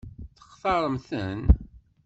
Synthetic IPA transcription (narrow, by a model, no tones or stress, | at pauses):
θə̥χθɑɾˤəmθən